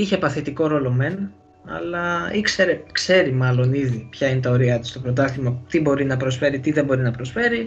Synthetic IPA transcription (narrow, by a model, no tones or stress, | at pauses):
içe̞pɐθit̪iko̞ɾo̞lo̞me̞n | ɐ̰lɐikse̞ɾe̞kse̞ɾimɐlo̞niðipçɐinet̪ɐo̞ɾiɐt̪i̥st̪o̞pɾo̞t̪ɐslimɐt̪ibo̞ɾinɐpɾo̞sfe̞ɾit̪iðembo̞ɾinɐpɾo̞sfe̞ɾi